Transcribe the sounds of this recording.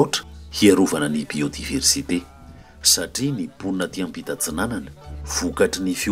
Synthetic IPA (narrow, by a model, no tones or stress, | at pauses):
oʈ͡ʂə̥hiaɾuvanənibiod̪iversit̪e | saʈ͡ʂinipunat̪iãmpit̪at͡sinananə̥v̥ukaʈ͡ʂinifi